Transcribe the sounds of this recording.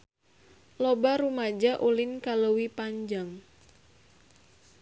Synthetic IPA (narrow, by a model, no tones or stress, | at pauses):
lobaɾumad͡ʒaʔulɪnkalowipaɲd͡ʒaŋ